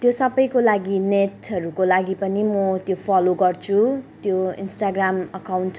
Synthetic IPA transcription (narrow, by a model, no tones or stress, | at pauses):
t̪josʌbʌjkolaɡinetʌɾukolaɡipʌnimʌt̪jopʰaloɡʌrt͡sʰut̪joḭnsʈaɡramʌkawnʈ